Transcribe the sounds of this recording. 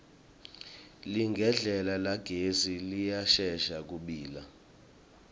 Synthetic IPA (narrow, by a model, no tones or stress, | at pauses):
liŋɡʱɛɮɛlalaɡ̥ʱezilijaʃɛʃak̬uɓiːla